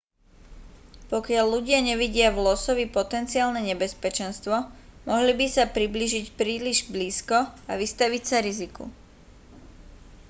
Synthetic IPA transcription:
pɔkɪaʎːuɟɪaɲɛʋiɟɪaʋlɔsɔʋipɔt̪ɛnt͡siaːlnɛɲɛbɛspɛt͡ʃɛnst̪ʋɔmɔɦlibisapɾibliːʒicpɾiːliʒbliːskɔaʋist̪aʋicsaɾizikṵ

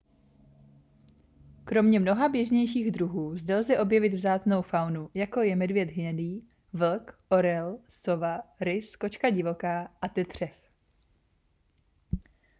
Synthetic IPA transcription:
kɾo̞mɲɛmno̞ɦabjɛʒɲɛjʃiːɣdɾuɦuːzdɛlzɛʔo̞bjɛvɪt̪vzaːt͡sno̞wfawnujako̞jɛmɛdvjɛd̪ɦɲɛdiː | vl̩kʔo̞ɾɛlso̞vaɾɪsko̞t͡ʃkaɟɪvo̞kaːʔat̪ɛt̪r̝̥ɛf

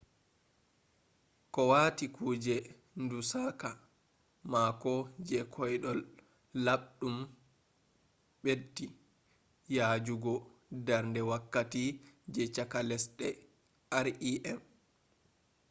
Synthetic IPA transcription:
kɔwaːtikʰuːd͡ʒɛ | ndusaka | makɔd͡ʒɛkʰɔjɗɔl | laɓɗum | ɓedːi | jaːd͡ʒuɡɔdaɾndɛwakːatid͡ʒɛt͡ʃakalɛsɗɛ | ʔaɾiʔɛm

